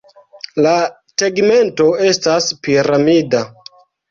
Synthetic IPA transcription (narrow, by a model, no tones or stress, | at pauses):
la | teɡme̞nto̞e̞staspiɾamida